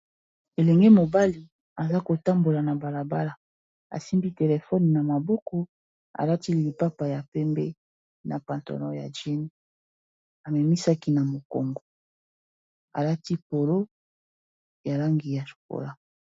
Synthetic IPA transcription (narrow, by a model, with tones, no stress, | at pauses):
e˨lɛ˨ŋɡe˦mo˨ba˦li˨ | a˨za˦ko˨ta˦mbo˨la˨na˨ba˨la˨ba˦la˨ | a̰˨si˦mbi˦te˨le˨fɔ˦ni˨na˨ma˨bɔ˦kɔ˨˦ | a̰˨la˦ti˦li˨li˨pa˦pa˨ja˨pɛ˦mbɛ˦ | na˨pa˨ntɔ̰˨nɔ̰˦ja̰˨ʒe˦ni˦ | a˨mɛ˨mi˦sa˦ki˦na˨mo˨ko̰˨ŋɡo˨ | a˨la˦ti˦po˨lo˦ | ja˨la˦ŋɡi˨ja˨ʃu̥˨ko̰˨la˦